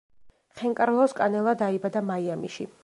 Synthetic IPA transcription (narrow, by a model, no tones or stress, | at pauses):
χɛŋkʼaɾlˠɔskʼanɛlˠad̪aibad̪amaiamḭʃi